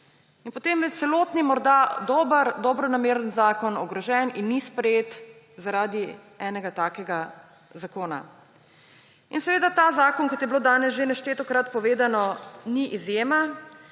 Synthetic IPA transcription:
inpɔt̪emmɛt̪t̪sɛloːt̪nimɔɾd̪ad̪ɔbəɾd̪ɔbɾɔnameːɾənzaːkɔnɔɡɾɔʒɛninːispɾɛjeːt̪ | zaɾaːd̪i | ɛːnɛɡat̪aːkɛɡa | zakoːna̰ | insɛʋeːd̪at̪aːzaːkɔnkɔt̪jɛbloːd̪aːnɛsʒenɛʃt̪eːt̪ɔkɾat̪pɔʋeːd̪anɔniʔizjeːma

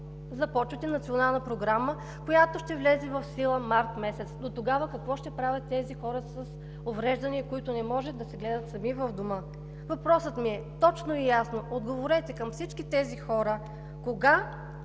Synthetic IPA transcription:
zɐpɔt͡ʃvɐt̪ɛnɐt̪sʲionalˠnəpɾoɡɾamə | kojat̪oʃt̪ɛvlɛzɛvɐfsilˠəmaɾt̪mɛsɛt̪sd̪ot̪oɡavəkɐkvɔʃt̪ɛpɾavʲɐt̪ːɛzixɔɾəsəs | ovɾɛʒd̪ɐniɐkoit̪ʊnɛmɔʒɛd̪ɐsɛɡlɛd̪ɐt̪sɐmivɐvd̪omɤ | vɐpɾɔsət̪miɛt̪ɔt͡ʃnoijasnood̪ɡovoɾɛt̪ɛkɐmfsit͡ʃkit̪ɛzixɔɾə | koɡa

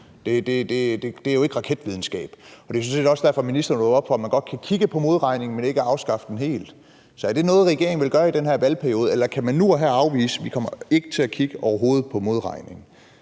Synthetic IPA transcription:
d̥e̝d̥e̝d̥e̝d̥ed̥e̝æjo̝e̝ɡ̥əʁɑ̈kʰed̥ʋið̞ˠn̩sɡ̥ɛ̰ːb̥ɒ̽d̥e̝sɒnsḛːd̥ɒ̽sd̥æɐfɒ̽minisd̥ɐnɔɒ̽b̥fɒ̽mænɡ̥ɒ̽d̥̚kʰækʰiɡ̥əpʰɒ̽mo̝ð̞ˠʁɑ̈ɪne̝ŋ̩mene̝ɡ̥əɑ̈ʊsɡ̥ɑ̈fəd̥en̩ɦe̝̰ːld̥ | sɒ̽æɐd̥e̝nɔ̽ːð̞̩ˠʁɛɡ̥e̝ɐeŋ̩ʋe̝lɡ̥ɶːɐid̥enɦæɐ̰ʋælpʰæɐio̝ːð̞̩ˠelɐkʰæmænːuɒɦæɑ̈ʊʋḭːsəʋikʰɒ̽m̰ɐe̝ɡ̥ət͡sʰe̝lækʰiɡ̥əʔɒʊɐɦo̝ːð̞̩ˠpʰɒ̽mo̝ð̞ˠʁɑ̈ɪne̝ŋ̩

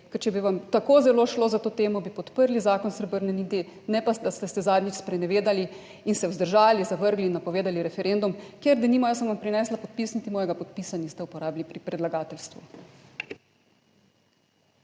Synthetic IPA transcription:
kɛɾt͡ʃɛbiʋamt̪akozɛloːʃloːzat̪oːt̪eːmɔbipɔt̪pəɾlizaːkɔnsɾɛbəɾnɛnit̪i | nɛpasd̪ast̪ɛst̪ɛzaːd̪nʲit͡ʃspɾɛnɛʋeːd̪ali | insɛwzd̪əɾʒaːlizaʋəɾɡlinːapɔʋeːd̪aliɾɛfɛɾend̪umkjeɾd̪ɛnimajasɔnʋampɾinɛːslapɔt̪̚pisnit̪imɔːjɛɡapɔt̪̚piːsanist̪ɛupɔɾaːblipɾipɾɛd̪laɡaːt̪ɛlst̪ʋu

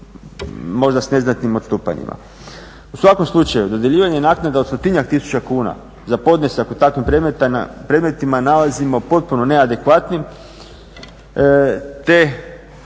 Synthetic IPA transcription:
mo̞ʒd̪asne̞znat̪nimot̪st̪uːpa̰ɲḭmʔa̰ | usʋako̞mslˠut͡ʃajud̪o̞d̪je̞ʎiːʋaɲenaknad̪aost̪ot̪iɲakt̪isu̥t͡ɕakuːna̰ | zapo̞d̪nesakut̪akʋimpɾemet̪pɾed̪me̞t̪imanalazimo̞po̞t̪̚puno̞ne̞ad̪e̞kʋat̪nim | t̪e̞

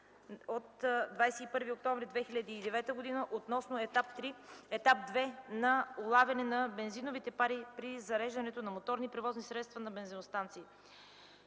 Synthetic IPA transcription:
ot̪d̪vajsɛipɤɾviok̚t̪ɔ̃ɱvɾid̪vɛxiʎʲəd̪iːd̪ɛvɛt̪əɡod̪inəʔot̪nɔsnoɛapt̪ɾiɛt̪ap̚d̪vɛnɐolˠavʲɐnɛnɐbɛnzinovit̪ɛpaɾipɾizɐɾɛʒd̪ɐnɛt̪onɐmot̪ɔɾnipɾɛvɔznisɾɛt̪st̪vɐnɐbɛnzinost̪ant̪siː

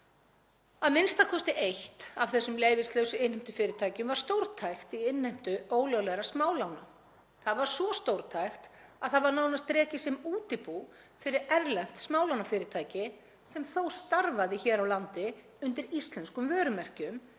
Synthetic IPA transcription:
aðmɪnst̪akʰɔst̪ɪʔejht̪av̥θɛsːʏmleːjvɪst̪lœːwsʏɪnhɪjm̥t̪ʏ̥fɪːɾɪt̪ʰaːjcʏmvaɾ̥st̪owɾt̪ʰajxt̪iɪnːajm̥t̪ʏoːwljowlɛðɾasmaːwlawna | θaðvaɾ̥svɔst̪owɾ̥t̪ʰajxt̪aðθaðvaɾnawnast̪ɾɛːcɪsɛmuːt̪ɪpu | fɪɾɪɾɛɾlɛn̥t̪smaːwlawnafɪːɾɪɾt̪ʰaːjcɪ | sɛmθowst̪aɾvaðɪçɛːɾawlant̪ɪ | ʏnt̪̬ɪɾist̪lɛnskʏmvœːɾʏmɛr̥cʏm

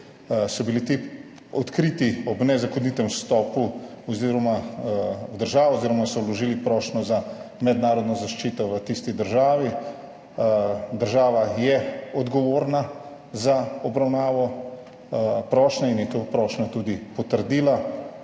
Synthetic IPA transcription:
sɔbilit̪i | ɔt̪kɾiːt̪iɔbnɛzakɔnit̪ɛmst̪ɔːpu | ɔziɾɔma | wd̪əɾʒaːʋɔoziːɾɔmasɔwlɔʒiːlipɾɔʃnɔzamɛd̪naːɾɔd̪nɔzaʃt͡ʃiːt̪ɔʋət̪ist̪id̪əɾʒaːʋi | d̪əɾʒaːʋajɛɔd̪ɡɔʋoːɾna | zaɔbɾawnaːʋɔ | pɾɔːʃnɛinjɛt̪oːpɾɔːʃnɔt̪uːd̪ipɔt̪əɾd̪iːla

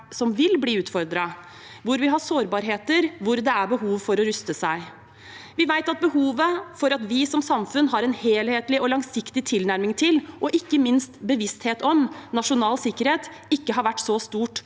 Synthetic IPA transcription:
sɔmʋɪlbliːʉːt̪fɔɾd̪ɾɑ | ʋʊɾʋɪɦɑsoːɾbɑːɾɦeːt̪əɾʋʊɾd̪ɛæɾbəɦuːʋfɔɾɔɾʏst̪əsæɪ | ʋɪʋæɪt̪ɑt̪̚bəhuːʋəfɔɾɑt̪ʋɪsɔmsɑmfʉnɦɑɾɛnheːlheːt̪lɪɔlɑŋsɪkt̪ɪt̪ʰɪlnæɾmɪŋt̪ʰɪlʔɔʔɪkːəmɪnst̪bəʋɪst̪heːt̪ɔmnɑʂʊnɑːlsɪkːəɾheːt̪ | ɪkːəɦɑɾʋæʈːsɔst̪uːʈ

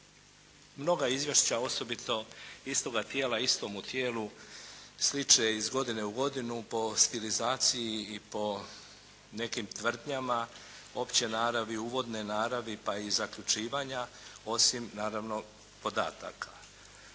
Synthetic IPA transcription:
mno̞ɡaizʋje̞ʃt͡ɕao̞so̞bit̪o̞ist̪o̞ɡat̪jeːlaist̪o̞mut̪jeːlu | slit͡ʃeizɡo̞d̪ine̞uɡo̞d̪inupo̞st̪ilizaːt̪sijiipo̞ | ne̞kimt̪ʋr̩d̪ɲama | o̞pt͡ɕe̞naːɾaʋiuːʋo̞d̪ne̞naːɾaʋipaizakʎut͡ʃiːʋaɲa | o̞simnaːɾaʋno̞ | po̞d̪a̰ːt̪a̰kʰḁ

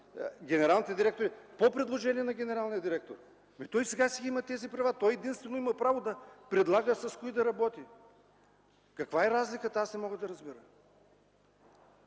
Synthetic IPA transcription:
ɡʲɛnɛɾalˠnit̪ɛd̪iɾɛk̚t̪oɾipopɾɛd̪lˠoʒɛniɛnɐɡʲɛnɛɾalˠnijəd̪iɾɛk̚t̪oɾ | it̪ɔjsɛɡasɛimɐt̪ɛzipɾɐvat̪ɔjɛd̪inst̪vɛnoimɐpɾavod̪ɐpɾɛd̪lˠaɡəsɐskoid̪ɐɾɐbɔt̪i | kɐkvaɛɾazlʲikət̪asɛmɔɡəd̪ɐɾɐzbiɾə

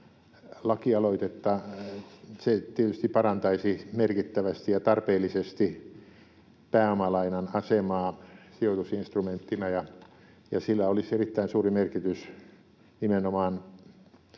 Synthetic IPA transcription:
lɑkiɑloit̪et̪ːɑ | set̪iet̪yst̪ipɑrɑnt̪ɑisimerkit̪ːæʋæst̪ijɑt̪ɑrpeːlisest̪i | pæːomɑlɑinɑnɑsemɑːsiot̪usinst̪rument̪ːinæjɑ | jɑsilːæoliserit̪ːæinsuːrimerkit̪ys | nimenomɑːn

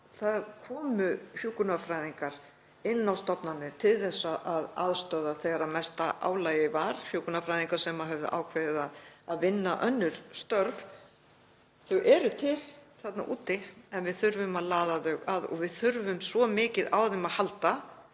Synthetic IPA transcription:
θaðkʰɔːmʏfjuːkʏnafɾaːjðiŋkaɾ̥ | ɪnːawst̪ɔpnanːɪɾ̥t̪ʰɪlθɛsːaʔaðaðst̪œːðaθeɣaɾamɛst̪aʔa̰ːwlaːjɪvaɾ̥fjuːknafɾajðiŋkaɾ̥sɛmaɦɛvðʏ̰ʔa̰ːwkʰvɛðɪðaðaðvɪnːaʔœnːʏɾ̥st̪œɾv | θœʔɛɾʏt̪ʰɪlθat̪naʔuːt̪ɪɛnvɪðθʏɾvʏmaðlaːðaðœɣaðɔ̰ɣvɪðθʏɾvʏmsvɔmɪːcɪðawðɪmaðhalt̪a

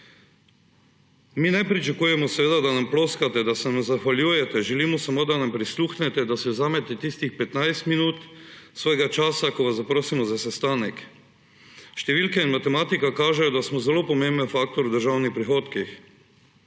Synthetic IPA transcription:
miːnɛpɾit͡ʃakuːjɛmɔsʋeːd̪ad̪anamploːskat̪ɛd̪asɛnamzaxʋalʲjuːjɛt̪ɛʒɛliːmɔsamod̪anampɾisluːxnɛt̪ɛd̪asɛwzaːmɛt̪ɛt̪ist̪ixpɛt̪najst̪minuːt̪sʋoːjeɡat͡ʃaːsakoʋazzapɾoːsimɔzasɛst̪aːnɛk | ʃt̪ɛʋiːlkɛinmat̪ɛmaːt̪ikakaːʒɛjɔd̪asmɔzɛlopɔmembənfaːk̚t̪ɔɾud̪əɾʒaːwnixpɾixoːt̪kix

